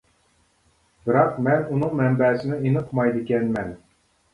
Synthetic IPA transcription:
b̥ɪɾɑqmɛnunɨŋmɛmbɛːsɪnɪenɨqʰmɑjd̪ɪkʲɛnmɛn

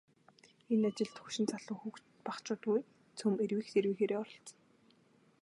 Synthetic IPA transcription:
enat͡ɕɪ̆ɮt̪xuʃɪ̆nt͡sʰaɮʊːŋxukt͡ɕ | paχt͡ɕʊːt̪̚ɡuj | t͡sʰɵmerwiːxt̪ʰeɾwiːxeːɾeːɔɾɞ̆ɬt͡s̆n

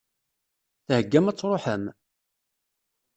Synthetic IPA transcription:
θhəɡːæmæt͡sːɾˤoħəm

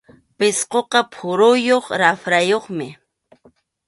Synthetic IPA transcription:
pɪsqoqɑpʰʊɾʊjoχɾafɾajoχmɪ

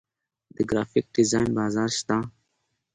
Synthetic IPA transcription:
d̪̥əɡɾaːfɪk̚ɖɪzaːjnbaːzɑːɾʃt̪a

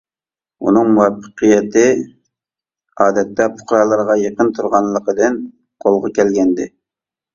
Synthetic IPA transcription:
ṵnɨŋmuwɛpʰːə̥qʰəjɛt̪ɪ | ɑːd̪ɛt̪ːɛpʰʊ̥χɾɑlˠəɾʁɑjeqənt̪ʰuɾʁɑnlˠːəqəd̪ɨn | qʰolˠʁɑkʲɛlɡʲɛnd̪ɪ

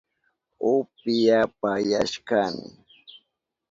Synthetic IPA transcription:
ʊpɪjapajaʃkanɪ̰

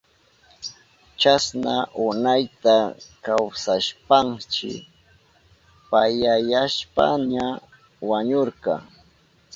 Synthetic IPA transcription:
t͡ʃasnaʔʊnajt̪akawsaʃpaŋt͡ʃɪ̰ | pajajaʃpa̰ɲa | waɲoɾqɑ̰

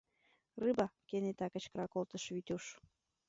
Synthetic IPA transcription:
rɨbɑkenet̪ɑkə̆t͡ɕkɾɑkolt̪əʃβyt̪ʲuʃ

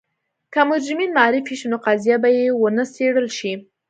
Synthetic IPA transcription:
kamʊɾd͡ʒɪminmaɾɪfiʃunoqazijabajewənəseɽəlʃi

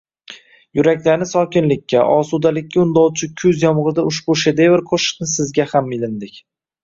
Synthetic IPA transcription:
jʊɾakʲlanɪsɒkʲɪnlɪkʲʰːaʔɒsud̪alɪkʲːaʊnd̪ɒwt͡ʃʰɪkʲʰʊzjɒmʁɨd̪aʊʃbʊʃed̪evɪɾqʰoʃɪ̥qnɪsɪzɡʲahamɪlɪnd̪ɪkʲ

